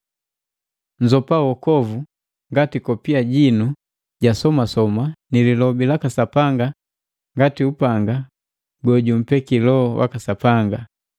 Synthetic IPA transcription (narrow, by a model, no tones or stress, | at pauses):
ɲd͡ʒɔpawɔkɔvu | ŋɡatikɔpiaɟinu | ɟasɔmasɔmanililɔbilakasapaŋɡa | ŋɡatiupaŋɡa | ɡɔɟum̩pɛkilɔwa̰kasapaŋɡa